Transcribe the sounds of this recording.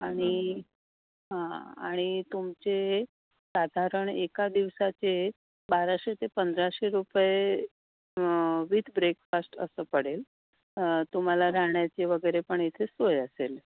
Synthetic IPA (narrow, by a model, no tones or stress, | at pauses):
aɽ̃i | ɦãa̰ɽ̃it̪umt͡ɕe | sad̪ʱaɾəɳekad̪iʋsat͡ɕe | baɾaɕet̪epənd̪ɾaɕeɾupje | ʋid̪ʱbɾekfasʈə̰səpəɽel | t̪um̤alaɾaɦɳjat͡ɕeʋəɡəjɾepəɳet̪ʰesʋəjəsel